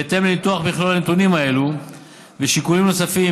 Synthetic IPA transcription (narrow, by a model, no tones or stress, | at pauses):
et̪e̞mlit̪uaχbiχlolanet̪unimae̞lu | veʃikulimno̞safi